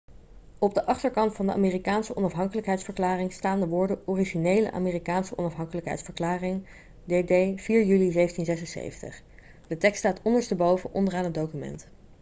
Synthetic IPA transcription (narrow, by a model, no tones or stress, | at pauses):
ɔb̚dəʔɑχtəɹkɑntfɑndəʔaːmeːrikaːnsəʔɔnɑfɦɑŋkələkɦɛjtsfəɹklaːrɪŋstaːndəʋʊːɹdəɔriʒinejlə̰ʔa̰ːmiːrikaːnsəʔɔnɑfɦɑŋkələkɦɛ̰jtsfəɹklaːrɪŋ | dedejv̥iːɹjylizejvəntinzɛsənsḛjvəntə̰χ | d̥ətɛkstaːtɔndəɹstəbowvəʔɔ̰ndəraːnɦəd̚owkymɛ̰nt